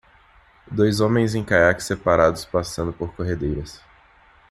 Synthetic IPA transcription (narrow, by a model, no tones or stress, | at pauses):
d̪ojzõmẽj̃zẽj̃kaɾakɪ̥sepaɾad̪ʊspasɐ̃nd̪ʊpoɾkoɦed̪ejɾɐs